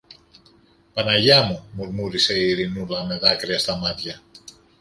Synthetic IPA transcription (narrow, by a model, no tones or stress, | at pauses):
pɐnɐʝamumuɾmuɾiseiɾinulɐmeðakɾiest̪ɐmat̪ʝɐ